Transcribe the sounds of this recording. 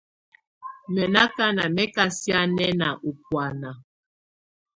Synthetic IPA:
mɛ˨na˦ka˦na˨mɛ˦ka˦sja˦nɛ˦na̰˨ʔu˨pwa˨na˨

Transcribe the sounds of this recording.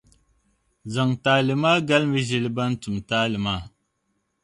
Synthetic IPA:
za˨ŋtaː˨˦lɨ˨maː˦ɡa˦lmɨ˦ʒɪ˨lba˦n̩˦tʊ˨mtaː˦lɨ˨maː˦˨

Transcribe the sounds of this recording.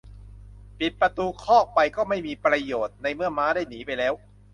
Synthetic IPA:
pi˨˩t̪̚pɾa˧t̪uː˧kʰɔː˥˩k̚pa˧jkɔː˥˩ma˥˩jmiː˧pɾa˧joː˨˩t̪̚na˧jmɯ˥˩ɐmaː˦˥daː˥˩jniː˩˦pa˧jlɛː˦˥w

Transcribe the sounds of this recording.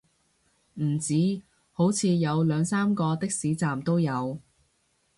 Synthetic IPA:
m̩˨˩t͡siː˨˥ | ho˨˥wt͡sʰiː˧jɐ˨˧wlœː˨˧ŋsaː˥mkɔː˧t̪ɪ˥k̚siː˨˥t͡saː˨mt̪o˥wjɐ˨˧w

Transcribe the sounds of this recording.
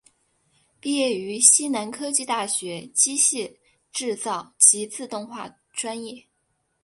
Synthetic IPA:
pi˥˧jɛ˥˩y˧˥ɕi˥na˧˥nkʰɤ˥t͡ɕi˥˧t̪a˥˩ɕɥɛ˧˥t͡ɕi˥ɕɛ˥˩ | ʈ͡ʂɻ̩˥˧t͡sɑ˥˩ʊt͡ɕi˧˥t͡sʰɹ̩˥˧t̪ʊ˥˧ŋxwa̰˥˩ | ʈ͡ʂwa˥njɛ˥˩

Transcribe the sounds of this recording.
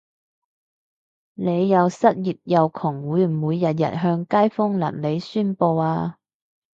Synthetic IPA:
ne˨˧jːɐ˨˧wsɐ˥t̚jiː˨˩t̚jɐ˨˧wkʰʊ˨˩ŋwuː˨˥jnmuː˨˧jːɐ˨t̚jɐ̰˨t̚ɦœː˧ŋkaː˥jfʊ˥ŋlɐ̰˨˩nle˨˧jsyː˥npo˧waː˧

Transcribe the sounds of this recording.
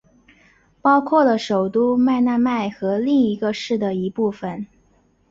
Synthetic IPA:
pɑ˥ʊkʰwɔ˥˩lə˩ʂo˨˩ʊt̪u˥ma˥˧ɪna˥˧ma˥˩ɪxɤ˧˥li˥˩ŋi˧˥ɡə˧ʂɻ̩˥˩d̪ə˩i˧˥pu˥˩fə˨˩n

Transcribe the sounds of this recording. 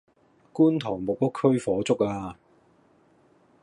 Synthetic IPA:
kuː˥nt̪ʰɔː˨˩ŋmʊ˨k̚pɐ˥kʰːɵ˥ɥfɔː˨˥t͡sʊ˥k̚aː˧

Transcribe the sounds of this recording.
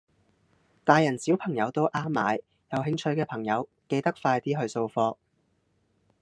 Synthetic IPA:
t̪aː˨jɐ˨˩nsiː˨˥wpʰɐ˨˩ŋjɐ˨˧wt̪o˥wʔaː˥mːa̰ː˨˧j | jɐ˨wɦɪ˧ŋt͡ʃʰɵ˧ɥkɛː˧pʰɐ˨˩ŋjɐ˨˧w | ke˧jt̪ɐ˥k̚faː˧jt̪iː˥ɦɵ˧ɥso˧wfɔː˧

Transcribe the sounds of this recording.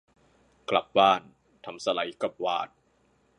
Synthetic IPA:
kla˨˩p̚baː˥˩n | t̪ʰa˧msa˧la˩˦jka˨˩p̚waː˥˩t̪̚

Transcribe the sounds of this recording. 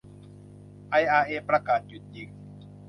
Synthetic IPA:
ʔa˧˩jʔaː˧ʔeː˧˩pɾa˧kaː˨˩t̪̚t͡ɕu˨˩t̪̚ji˨˧˩ŋ

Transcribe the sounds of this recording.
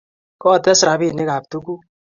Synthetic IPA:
kɔ˦˨t̪ɛ˦sɾa˨bi˦˨nɪ˦ka˨p̚t̪u˦ku˦

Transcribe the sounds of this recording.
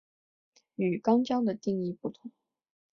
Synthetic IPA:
y˨˩kɑ˥ŋt͡ɕjɑ˥ŋd̪ə˨t̪i˥˧ŋi˥˧pu˨˩t̪ʰʊ˧˩˦ŋ

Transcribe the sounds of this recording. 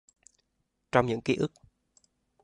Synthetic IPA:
t͡ɕɔ˧wŋ͡mɲɨ̰˧˥ŋki˧˦ʔɨ˦˥k̚

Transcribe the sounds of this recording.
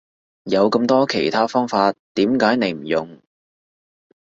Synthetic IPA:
jɐ˨˧wkɐ˧mt̪ɔː˥kʰe˨˩jt̪ʰaː˥fɔː˥ŋfaː˧tt̪ːiː˨˥mkaː˨˥jne˨˧jm̩˨˩jʊ˨ŋ

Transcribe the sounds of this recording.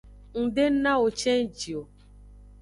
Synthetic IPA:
ŋ̩˨ɖe˦n̩˦nã˦o˨t͡ʃɛ˦n˦d͡ʒi˨o˨

